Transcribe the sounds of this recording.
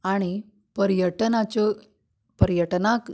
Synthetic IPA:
aɽ̃i | pəɾjəʈənat͡ɕɔ | pəɾjəʈnak

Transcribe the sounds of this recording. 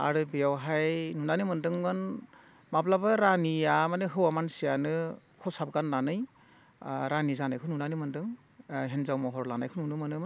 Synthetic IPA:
a̰ɾɯbejawɦajnunanɯmɯndɯŋmɯn | mablabaɾaniamanɯɦɯwamansijanɯ | kʰɔsab̚ɡanlanɯj | ɾanizanajkʰɯnunanɯmɯndɯŋ | ɦenzawmɔɦɔɾlana̰jkʰɯnunɯmɯnɯmɯ

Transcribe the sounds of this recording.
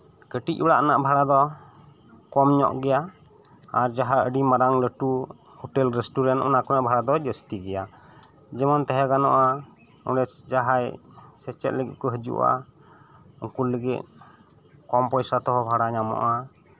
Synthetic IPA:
kəʈic̚bɔɽaʔnaʔbʱaɽad̪ɔ | kɔmɲɔ̰ʔɡɛja | aɾd͡ʒaɦaəɖimaɾaŋləʈu | hɔʈɛlɾɛsʈuɾɛnʔɔnakɔnaʔbʱaɽad̪ɔd͡ʒəst̪iɡɛja | d͡ʒɛmɔnt̪ɛɦɛɡanɔ̰ʔa | ɔɖɛd͡ʒaɦajsɛt͡ʃɛ̰t̪̚ləɡḭt̪̚kɔɦəd͡ʒṵʔa̰ | uŋkuləɡit̪̚ | kɔmpɔjsat̪ɔɦɔbʱaɽaɲamɔ̰ʔa

